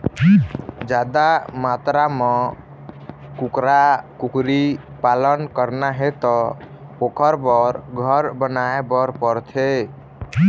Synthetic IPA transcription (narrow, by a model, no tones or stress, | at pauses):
d͡ʒad̪amat̪ɾamɔ̃ | kukɾakukɾipalənkəɾnaɦet̪ɔ | okəɾbɔɾɡʱəɾbənaebɔɾpɔɾt̪ʰe